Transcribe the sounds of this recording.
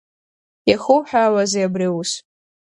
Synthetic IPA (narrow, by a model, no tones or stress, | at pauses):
jaχowħᶣaːwazajabriusʼ